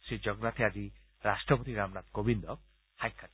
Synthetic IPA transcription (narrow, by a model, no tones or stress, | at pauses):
sid͡ʒɔɡnat̪ʰead͡ʒi | ɾasʈɾɔpot̪iɾamnat̪ɡobind̪ɔk̚ | hajkʰːat̪